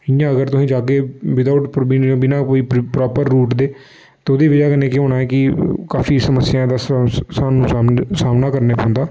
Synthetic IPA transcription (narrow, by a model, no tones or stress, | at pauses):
ɪjãːəɡəɾt̪ʊsĩːd͡ʒaːkeːʋɪd̪aʊʈpbiːnõːbɪnãːkoːiːpɾɔːpəɾːuːʈd̪eː | t̪eːʊd̪iːʋɪd͡ʒaːkəneːkːɦoːnaːɛːkɪkaːfiːsəməsːɪjãːd̪aːsaːnũːaːsaːmnaːkəɾneːpõnd̪aː